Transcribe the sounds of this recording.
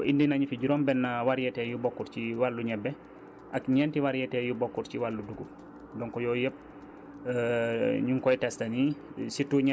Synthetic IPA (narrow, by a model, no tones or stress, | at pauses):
ʔindinaɲifiɟuɾɔːmbɛnːawaɾjɛtɛjubɔkːuɾt͡ʃiwalːuɲɛbːɛ | ʔakɲɛntiwaɾjɛtɛjubɔkːuɾciwalːuduɡu | dɔŋkɔjɔːjəp̚ | ɲuŋkɔjtɛstɐnisitːuɲɛ